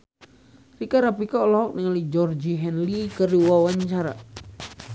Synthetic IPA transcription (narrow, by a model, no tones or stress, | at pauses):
rikaɾapikaɔlɔɦɔk̚niŋalid͡ʒɔrd͡ʒiɦɛnlikəɾiwawaɲt͡ʃaɾa̰